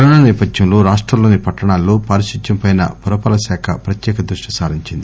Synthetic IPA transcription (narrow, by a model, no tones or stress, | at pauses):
kɐɾɐɳɐnɛːpɐd̪jɐmloːɾaːʂʈɾɐmlo̞ːnipɐʈːɐɳaːlːoːpaːɾiʃiɐmpɐjnɐ̰puɾɐpɐːlɐsaːkʰɐpɾɐt̪jɛːkɐd̪ɾuʂʈisaːɾiɲt͡ʃind̪i